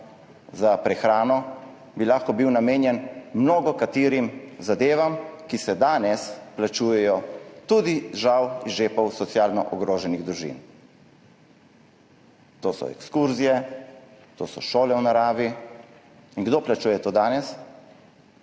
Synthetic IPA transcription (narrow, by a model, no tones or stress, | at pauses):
zapɾɛxɾaːnɔ | bilaːxkɔbiwnameːnjɛnmnoːɡɔkat̪iːɾimzad̪eːʋamkisɛd̪aːnɛsplat͡ʃuːjɛjɔt̪ud̪iʒawizʒeːpɔwsɔt̪sjaːlnɔ̰ʔɔɡɾoːʒɛniɣd̪ɾuʒḭn | t̪oːsɔ̰ɛ̰kskuɾzijɛ | t̪o̰ːsɔ̰ʃoːlɛwnaɾaːʋi | inɡd̪oːplat͡ʃuːjɛt̪oːd̪aːnɛs